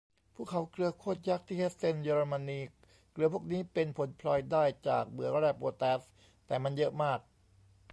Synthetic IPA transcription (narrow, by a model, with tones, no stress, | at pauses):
pʰuː˥˩kʰa˩˦wklɯ˧ɐkʰoː˥˩t̪̚ja˦˥k̚t̪ʰiː˥˩he˦˥t̪̚se˥˩njeː˧ɾo˧ma˧nːiː˧ | klɯ˧pʰu˥˩k̚niː˦˥pe˧npʰo˩˦npʰlɔ˧jdaː˥˩jt͡ɕa̰ː˨˩k̚mɯ˨˩˦ɐɾɛː˥˩p̚ʔoː˧t̪ɛː˦˥s | t̪ɛː˨˩ma˧njɤ˦˥ʔmaː˥˩k̚